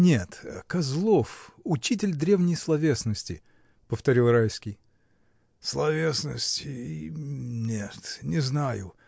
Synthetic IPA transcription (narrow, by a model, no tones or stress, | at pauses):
nʲet̪kɐzlˠo̞fʊt͡ɕit̬ʲɪlʲd̪ɾʲe̞vnʲɪjslˠɐvʲe̞snəsʲtʲɪ̰ | pəft̪ɐɾʲilˠrajskʲɪj | slˠɐvʲe̞snə̰sʲtʲɪ | nʲet̪nʲɪznajʊ̰